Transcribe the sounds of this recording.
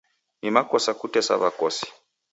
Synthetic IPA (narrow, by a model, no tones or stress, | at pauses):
nimakɔsakutɛsa̰βakɔsi̥